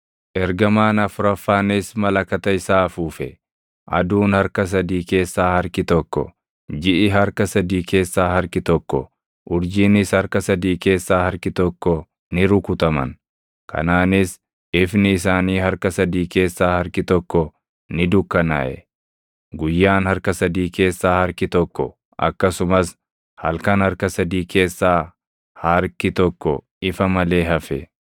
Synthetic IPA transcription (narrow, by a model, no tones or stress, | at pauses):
ʔɛɾɡɐmaːnɐfʊɾɐfːaːnɪsmɐlɐkɐt̪ɐɪsaːfuːfɛ | ʔɐ̰d̪uːnhɐɾkɐs̬ɐd̪iːke̞ːsːaːhɐɾkɪt̪ɔkːɔ̰ | d͡ʒɪʔɪɦɐɾkɐsɐd̪iːkeːsːaːhɐɾkɪt̪ɔkːɔ̰ | ʔʊɾd͡ʒiːnɪshɐɾkɐsɐd̪iːke̞ːsːaːhɐɾkɪt̪ɔkːɔ | nɪɾʊkʊt̪ɐmɐ̰n | kʰɐ̰naːnɪs | ɪfnɪɪsaːniːhɐɾkɐsɐd̪iːke̞ːsːaːhɐɾkɪt̪ɔkːɔ | nɪd̪ʊkːɐnɐ̰ʔɛ | ɡʊjːaːnhɐɾkɐsɐd̪iːke̞ːsːaːhɐɾkɪt̪ɔkːɔ | ʔɐ̰kːɐsʊmɐs | hɐ̰lkɐnhɐɾkɐsɐd̪iːkʰe̞ːsːaː | hɐɾkɪt̪ɔkːɔ | ɪfɐmɐle̞ːɦɐfɛ